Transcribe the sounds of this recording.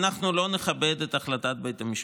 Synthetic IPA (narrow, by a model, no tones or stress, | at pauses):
naχnulo̞neχabed̪et̪aχlatat̪̚bejt̪amiʃ